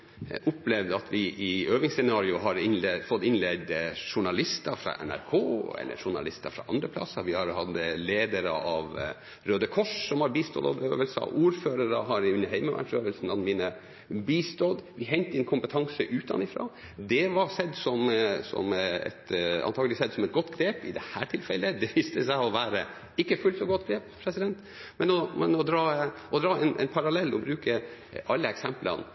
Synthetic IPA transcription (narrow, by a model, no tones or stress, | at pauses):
ʔʊplɛʋd̪əɑt̪ʋɪʔɪøːʋɪŋsɛnɑːɾɪʊɦɑɾɪnlfɔt̪ːɪnlɛɡ̚d̪ʂʊɳɑlɪst̪əfɾɑ̰ʔɛ̰næ̰ɾkʰoːɛ̰lːə̰ʂʊɳɑ̰lɪst̪əfɾɑ̰ʔɑnd̪ɾəpʰlɑ̰sːəʋɪhɑɾhɑd̪əleːd̪əɾə̰ʔɑʋ | ɾøːd̪əkʰɔʂsɔmhɑɾbiːst̪ɔ̰d̪ɑ̰d̪øːʋəlsə̰ʔuːɾføːɾəɾəɦɑɾʉnəɦɛɪməʋʔæ̰ʈsøːʋəlsn̩ɑd̪miːnə | biːst̪od̪ʋɪɦɛɲt̪əɛnkʰʊmpət̪ʰɑŋsəʔʉːt̪ɑ̰nɪfɾɑ̰ː | d̪ɛʋɑsɛd̪sɔmsɔ̰mɛ̰t̪ɑ̰nt̪ʰɑːɡlɪsɛd̪sɔmɛt̪̚ɡɔt̪ːɡɾeːpɪd̪ɛhæːʈʰɪlfɛlːəd̪ɛʋiːst̪əsæɪɔʋæːɾə | ɪkːəfʉlt̪sɔɡɔt̪ːɡɾeːppʰɾɛsɪd̪ɛnt̪ | mɛnɔmɛnɔd̪ɾɑːʔɔd̪ɾɑːɛɪnʔɛ̰ɪnpʰɑɾɑlɛlːɔbɾʉːkəʔɑlːəɛksɛmplə̰n